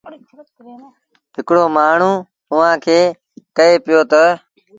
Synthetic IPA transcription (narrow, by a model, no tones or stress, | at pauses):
pɪkɽoːmaːɳ̤ũː | ʊʋãːkʰeː | kəeːpɪjoːt̪ə